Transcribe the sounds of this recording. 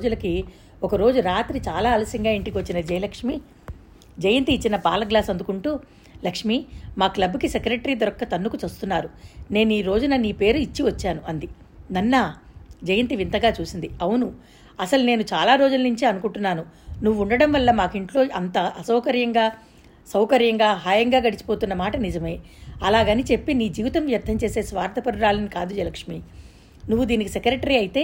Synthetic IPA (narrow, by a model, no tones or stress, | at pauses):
d͡ʒulɐki | ɔkɐɾo̞ːd͡ʒuɾaːt̪ɾit͡ʃaːlaːɐlɐsiŋɡaːiɳʈikiʋɐt͡ʃːinɐd͡ʒɐjlɐkʂmi | d͡ʒɐjɐnt̪iːt͡ʃːinɐpaːlɐɡlaːsɐnd̪ukuɳʈuː | lɐkʂmimaːklɐbukisekɾeʈɐɾiːd̪ɔɾɐkːɐt̪ɐnːukut͡ʃɐst̪unːaːɾune̞ːniːɾo̞ːd͡ʒunɐniːpe̞ːɾuit͡ʃːiʋɐt͡ʃːaːnuʔɐnd̪i | nɐnːɐd͡ʒɐjɐnt̪iʋint̪ɐɡaːt͡ʃuːsind̪iɐwunu | ɐsɐlune̞ːnut͡ʃaːlaːɾo̞ːd͡ʒulɐnuɲt͡ʃiɐnukuɳʈunːaːnunuʋːuuɳɖɐɽɐmʋɐlːɐmaːkiɳʈlo̞ːɐnt̪ɐɐsɐwkɐɾjɐŋɡaː | sɐwkɐɾjɐŋɡaːɦaːjɐŋɡaːɡɐɽit͡ʃi̥po̞ːt̪unːɐmaːʈɐnid͡ʒɐme | ɐlaːɡɐnit͡ʃe̞pːiniːd͡ʒiːʋit̪ɐmʋjɐɾt̪ʰːɐmt͡ʃe̞ːse̞ːsʋaːɾt̪ɐpɐɽuɾaːlɐnikaːd̪ud͡ʒɐlɐkʂmiː | nuʋːud̪iːnikisekɾeʈɐɾiɐjit̪e̞ː